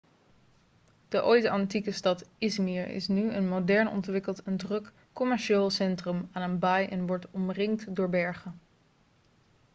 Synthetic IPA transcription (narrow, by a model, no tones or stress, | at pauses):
d̥əʔojtɑntikəstɑtɪsmiɹɪ̰snyənmowdɛɹnɔ̰ntʋɪkəlˠtʰɛndrɵkː | ɔmɛɹʃeːlˠsɛntrəmaːnənbajʔɛnʋɔɹtɔmrɪŋtdʊːɹbɛɹχən